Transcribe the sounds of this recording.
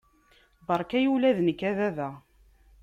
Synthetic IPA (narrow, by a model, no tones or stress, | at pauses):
bɑɾˤkæjulæðnəkːæðæðæ